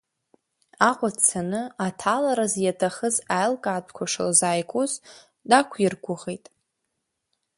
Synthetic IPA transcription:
aqʷʼat͡sʰanɨatʰalaɾazjatʰaχəzajlkʼaːtʷʰkʷʰaʂɨ̰lzaːjkʷʼuz | dakʷʰjɪrɡʷʊʁejtʼ

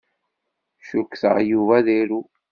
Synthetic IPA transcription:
ʃukːθə̰ʁjuvæðiɾu

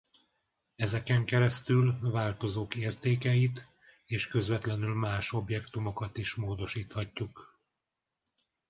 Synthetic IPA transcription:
ɛzɛkɛŋkɛɾɛst̪ylvaːlt̪o̞zoːkeːrt̪eːkɛjit̪ | eːʃkø̞zvɛt̪lɛnylmaːʃo̞bjɛkt̪umo̞kɒt̪iʃmoːd̪o̞ʃiːt̪hɒcːuk

